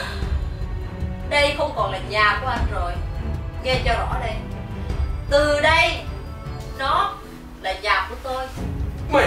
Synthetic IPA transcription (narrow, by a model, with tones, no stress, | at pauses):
ɗə˧jxə˧wŋ͡mkɔ˨˩nlaː˨˩zaː˧˩ku˨˩˦ʔa˧nzo˨˩jŋɛ˧zɔ˧ɗɔ̰˧˥˦ɗə˧j | t̪ɨ˨˩ɗə˧j | nɔ˨˦ | laː˨˩zaː˨˩ku˧˥ət̪o˧j